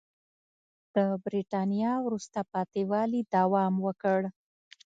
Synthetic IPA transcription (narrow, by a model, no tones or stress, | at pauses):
d̪̥əbɾiʈɑnijɑwɾust̪apɑt̪iwɑlid̪awɑmwəkəɽ